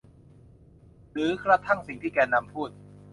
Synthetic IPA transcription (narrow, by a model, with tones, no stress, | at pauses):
ɾɯː˨˦kʰɾa˦˥t̪ʰa˥˩ŋsi˨˩ŋt̪ʰiː˥˩kɛː˧nːa˧mpʰuː˥˩t̪̚